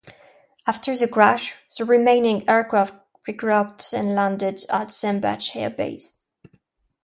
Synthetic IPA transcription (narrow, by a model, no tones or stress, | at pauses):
aftʰə˞ðəɡɹæʃðəɹimẽɪ̃nɪ̃ŋɛɹkɹaft̚ | ɹiɡɹap̚tɨ̃nlæ̃ndɪdətsɛ̃mbæ̰t͡ʃhɛ̰bḛɪs